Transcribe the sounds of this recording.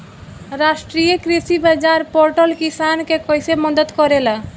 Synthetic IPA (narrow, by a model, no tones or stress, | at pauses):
ɾasʈɾijekɾisibad͡ʒaɾpoɾʈəlkisankekɔjsemɔd̪ət̪kɔɾela